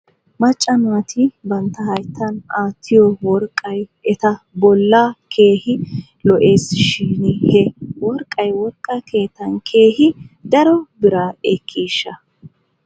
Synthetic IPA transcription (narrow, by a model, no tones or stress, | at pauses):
mɐt͡ʃʼːɐnʊɐt̪ʰɪbɐnt̪ːɐhɐjt̪ʰːɐnaːt̪ʰːɪjɔwɔɾkʼːɐjɛt̪ɐ | bɔlːakʰe̞ːhɪ | lɔʔe̞ːsʃiːnhɛwɔɾkʼːɐjwɔɾkʼːɐke̞ːt̪ːɐnkʰe̞ːhɪd̪ɐɾɔbɪɾaɛkʰːiːʃːɐ